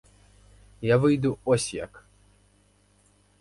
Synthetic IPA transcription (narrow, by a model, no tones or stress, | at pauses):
javɨjd̪uɔsʲja̰k